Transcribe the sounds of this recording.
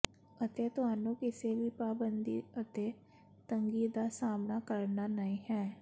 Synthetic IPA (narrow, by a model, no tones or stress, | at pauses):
ət̪et̪aːnõkɪselipaːbə̃nd̪ḭət̪e | t̪ə̃ŋɡiːd̪asaːmnakəɾnanɐɦĩɦɛː